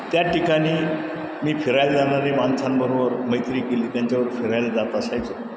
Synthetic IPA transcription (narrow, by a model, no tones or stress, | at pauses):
t̪jaʈikaɽ̃iː | miːfʰeɾajld͡zanaɾemant͡sʰanbəɾobəɾməjt̪ɾiːkeliːt̪jaɲt͡ɕaʋəɾfʰeɾajld͡zat̪aəsajt͡so